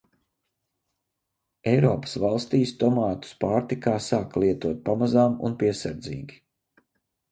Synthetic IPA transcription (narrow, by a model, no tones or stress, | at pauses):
ɛjɾɔːpə̥svalˠst̪iːst̪ɔmaːt̪u̥spaːɾt̪ikaːsaːklˠiɛt̪uɔt̪̚pamazaːmṵnpiɛsaɾd̪zḭːɡʲi